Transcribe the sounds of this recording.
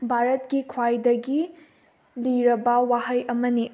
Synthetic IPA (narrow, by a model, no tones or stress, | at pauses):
bʱaɾɐtɡikʰwajdɐɡi | liɾɐbɐwaɦɐjʔɐmɐni